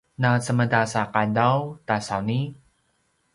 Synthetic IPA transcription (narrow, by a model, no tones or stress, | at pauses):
nasəmədasakadawtasawni